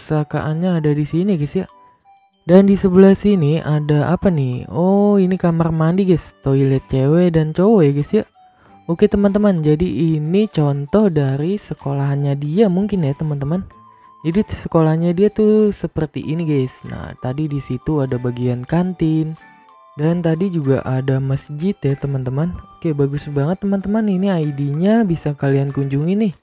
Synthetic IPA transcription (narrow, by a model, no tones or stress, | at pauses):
saka̰ʔanɲaːdadisiniɡasja | dandisəbəlahsiniadaʔapanɪhɔinikamarmandiɡajst̪oilɛt̪̚t͡ʃewedant͡ʃowojaɡasja | oket̪əmant̪̬əmand͡ʒadiʔinit͡ʃɔnt̪ɔhdaɾisəkolaɦnɲadiamuŋkɪnjat̪əmant̪əman | d͡ʒadisəkolaɦɲadiat̪usəpərt̪ḭʔiniɡajsna̰ht̪adidisit̪uadabaɡiankant̪ɪn | dant̪adid͡ʒuɡa̰ʔadaməsd͡ʒɪt̪jat̪əmant̪əmanokebaɡʊsbaŋət̪ːəmant̪əmaniniaidiɲabisakaliankuɲd͡ʒuŋinɪh